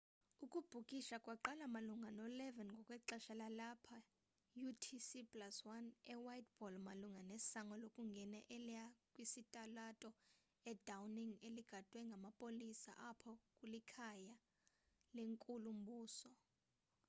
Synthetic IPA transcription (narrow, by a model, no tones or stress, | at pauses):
ukʼub̥ʱukʼiʃakʼwaǃalamaluŋɡʱanɔlɛvɛnŋɡʱɔkʼwɛǃaʃalalapʰa | jutʰisipʼlaswanɛwajt̚b̥ɔlmaluŋɡanesaŋɡɔlokʼuŋɡʱɛnɛʔɛliakʼwisitʼalatʼɔ | ɛd̥ʱawniŋeliɡ̥ʱad̥ʱwɛŋɡʱamapʼolisa̰ʔapʰɔkʼulikʰaja | leŋkʼulum̩buːsɔ